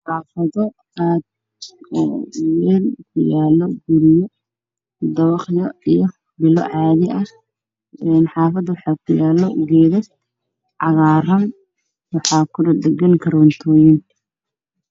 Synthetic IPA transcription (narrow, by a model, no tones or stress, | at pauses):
ħɑːfɐðɔ | aːd̪̚ | ɔːwɛːlkʰʊjaːlːɔɡʊɾɪjɔ | d̪ɐwɑχjɔijɔ | bɪlɔ̰ʕɑːðɪʔɐ | ɛnħɑːfɐd̪wɑħɑːkʰʊjaːlːɔɡɛːðɐs | ʕɑɣaːrɐn | wɑħɑːkʰʊdɐd̪ɛɡɐŋkʰɐɾɔnt̪ʰɔːjɪn